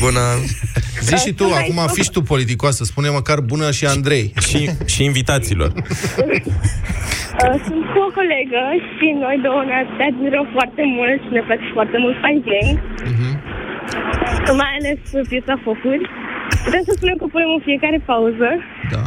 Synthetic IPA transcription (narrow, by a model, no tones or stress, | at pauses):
bunə | ziʃit̪uakumafiʃt̪upo̞lit̪̬ikoasəspuneməkarbunəʃiand̪ɾe̞jʃiʃiːnvit̪at̪silo̞̰r | əsunt̪kuoko̞leɡəʃino̞jd̪ounat̪ɨt̪ead̪̚miɾəmfoart̪e̞mult̪ʃine̞plat͡ʃefart̪e̞mult̪fajɡeŋɡm̩ɦ̩ | majale̞spjet̪safo̞kurʲput̪ɾewsəspunemkəpune̞mɨnfiekaɾe̞pauzə | d̪a̰